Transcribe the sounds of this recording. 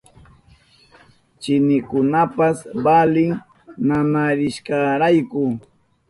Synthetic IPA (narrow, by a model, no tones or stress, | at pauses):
t͡ʃɪnɪkʊnapasbalɪŋ | namaɾɪʃkɑɾajkʊ